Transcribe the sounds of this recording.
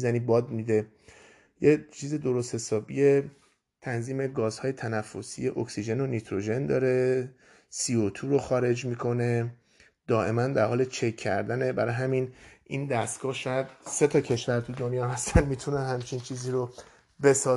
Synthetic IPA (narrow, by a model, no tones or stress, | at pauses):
zænibɒːd̪̚mid̪e̞ | jet͡ʃʰiːzed̪o̞ɾo̞st̪he̞sɒːbije̞ | t̪ʰænziːme̞ɡɒːzhɒːje̞t̪ʰænæfːo̞sḭjeʔoksid͡ʒe̞nonit̪ʰɾo̞ʒe̞nd̪ɒːɾe̞ | siot̪ʰuːɾo̞xɒːɾe̞d͡ʒmiːkʰo̞ne̞ | d̪̥ɒːʔe̞mænd̪æɾhɒːlet͡ʃʰe̞kʰːæɾd̪ænebæɾɒːjɦæminind̪æst̪ɡ̥ɒːhʃɒːjæd̪̚se̞t̪ʰɒcʰe̞ʃvæɾt̪ʰud̪o̞njɒːhæst̪ʰænmiːt̪ʰunænhæmt͡ʃʰint͡ʃʰiːziːɾo | be̞sɒː